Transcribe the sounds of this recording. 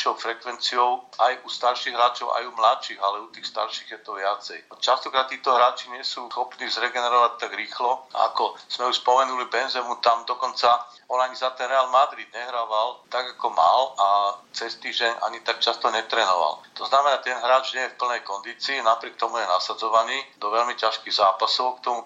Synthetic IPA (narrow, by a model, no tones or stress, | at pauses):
ʃɔʊfɾɛkʋɛnt͡siɔʊajust̪aɾʃiɣɦɾaːt͡ʃɔʊʔa̰jumlaʃiɣalɛut̪iːxst̪a̰ɾʃiːɣjɛt̪ɔʋɪat͡sɛjt͡ʃast̪ɔkɾat̪ːiːt̪ɔɦɾaːt͡ʃiɲɪɛsusxɔpniːzɾɛɡɛnɛɾɔʋac̚t̪aɡɾiːxlɔa̰kɔz̥mɛuʃspɔmɛnulibɛnzɛmut̪amd̪ɔkɔnt͡sa | ɔnaɲizat̪ɛnɾɛaːlmad̪ɾid̪̚ɲɛɦɾaːʋalt̪aɡakɔma̰lat͡sɛst̪iːʒɟɛɲʔa̰ɲit̪ak̚t͡ʃast̪ɔɲɛt̪ɾɛːnɔ̰ʋa̰lt̪ɔznamɛnaːt̪ɛnɦɾaːt͡ʃɲɪɛjɛfpl̩nɛjkɔnd̪iːt͡siːnapɾɪɛk̚t̪ɔmujɛnasad͡zɔʋaniːd̪ɔʋɛlmicaʃkiɣzaːpasɔʊkt̪ɔmu